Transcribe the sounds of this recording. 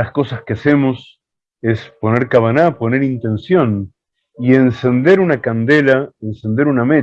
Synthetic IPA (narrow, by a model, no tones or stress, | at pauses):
asko̞saskease̞mos | e̞spo̞ne̞ɾkaβanapo̞ne̞ɾint̪e̞nsjo̞n | ie̞nse̞nd̪e̞ɾunakand̪elaensend̪e̞ɾuname